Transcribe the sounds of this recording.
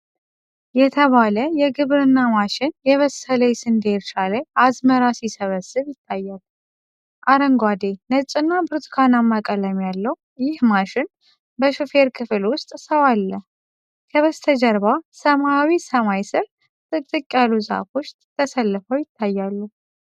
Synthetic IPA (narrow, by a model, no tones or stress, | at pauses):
jɛt̪ʰəβaləjɛɡɨβɾɨnːamaʃɪnjɛβəsələjsɨnd̪eɾʃaləjʔazməɾasisəβəsːɨβjɪt̪ʰːajːalːu | ʔaɾəŋɡwad̪enət͡ʃʼɨnːabɨɾt̪ʰkʰanamːakʼələmjalːəw | jɪhmaʃɪn | bəʃufe̞ɾkʰɨfɨlwʊst̪ʼsəwalːəh | kʰəβəst̪ʰəd͡ʒəɾbasəmaawisəmajsɨɾ | t̪ʼɨt̪ʼɨkʼjalːuza̰fot͡ʃt̪ʼt̪ʰːəsəlːɨfəwjɪt̪ʰːajːalːu